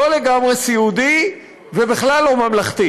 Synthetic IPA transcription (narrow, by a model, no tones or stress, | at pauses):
oleɡamʁesiud̪i | vebeχlalːomamlaχt̪i